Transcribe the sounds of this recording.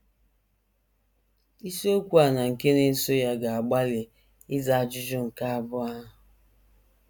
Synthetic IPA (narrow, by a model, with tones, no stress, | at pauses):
i˦so˦kʷu˦a˨na˨ŋ̩˨ke˦ne˦so˦ja˦ɡa˨a˨ɡ͡ba˦le˨ | ɪ˦za˦a˨d͡ʒʊ˦d͡ʒʊ˦ŋ̩˨ka˦a˨bʊ˦a˦ɦʊ˨